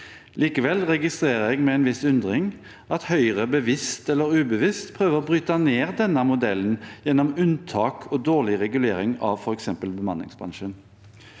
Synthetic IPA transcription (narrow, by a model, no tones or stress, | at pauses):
lʔiːkəʋɛlʁɛɡɪst̪ʁeːʁəɛɡmɛɛnʋɪsʉnd̪ʁɪŋ | ʔɑt̪hœʏʁəbəʋɪst̪ɛlːəʁʉːbəʋɪst̪pʰʁøːʋəʁɔbʁyːt̪ɑneːʁd̪ɛnːəmʊd̪ɛlːənjɛnːɔmʉnt̪ʰɑːkʰɔd̪oːʁɭɪʁɛɡʉleːɾɪŋɑ̰ʋfɔʁɛksɛmpəlbəmɑnɪ̰ŋsbʁɑ̰nʃən